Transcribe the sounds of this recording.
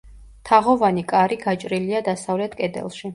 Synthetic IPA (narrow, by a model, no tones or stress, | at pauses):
t̪ʰaʁɔvanikʼaɾiɡat͡ʃʼɾiliad̪asavlɛt̪ʰkʼɛd̪ɛ̰lˠʃi